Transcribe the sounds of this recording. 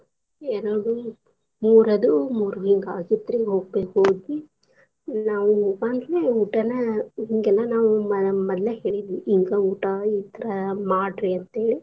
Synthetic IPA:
eːnɐɽu | muːɾɐd̪umuːɾuɦiŋɡaːɡid̪ɾiɦoːɡ̚beːkɦoːɡ̪i | naːʋuɦoːɡaːnɡ̪leuːʈɐnɐɦiŋɡɛlːɐnaːʋumɐɐmɐd̪leɦe̞ːɭid̪ʋiʔiŋɡɐuːʈɐit̪ɐɾɐmaːɖɾiɐnt̪eːɭi

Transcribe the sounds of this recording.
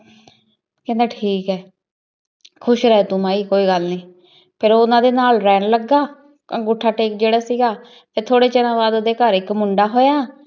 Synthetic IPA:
kɛ̃ːnd̪aːʈʰiːkɛː | kʰʊʃɾɛɛːt̪ʊmãːiːkoːiːɡəlnĩː | pʰɪɾoːʊnãːd̪eːnaːlɾɛːɳləɡaː | ɡʊʈʰːaːʈeːkd͡ʒeːɽaːsiːɡaː | t̪eːt̪ʰoːɽeːt͡ʃənãːʋaːd̪oːd̪eːkəɾɪkmʊɳɖaːɦoːjaː

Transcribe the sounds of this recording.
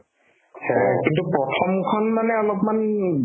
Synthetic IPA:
hɛ̰kintupɹɔtʰɔmkʰɔnmanɛɔlɔpman

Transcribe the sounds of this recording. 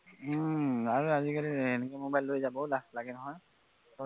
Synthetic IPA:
aɹuazikaliɛnɛkɔmobajlojzabɔlaslaɡɛnɔɦɔj

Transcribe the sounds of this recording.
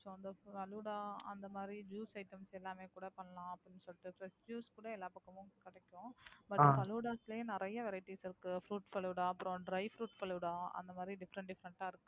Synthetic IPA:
soːɐnd̪ɐpɐluːɽaːɐnd̪ɐmaːd̪ɾid͡ʒuːsɐɪʈːɐmsɛlːaːmeːkuːɽɐpɐɳːɐlãːɐpːɽɪnːɯsɔlːɪʈːɯpɾɛsʈd͡ʒuːskuːɽɐɛlːaːpɐkːɐmʊ̃kɪɽɛkːʊ̃bɐʈːpɐluːɽaːslɐeːnɪɾɐjɐʋɛɾɐɪʈːisɪɾɯkːɯfɾuːʈpɐluːɽaːɐpːɯɾõɖɾɐɪfɾuːʈpɐluːɽaːɐ̰nd̪ɐmaːd̪ɾiɖɪfɾɐɳʈɖɪfɾɐɳʈːaːɪɾɯkːɯ

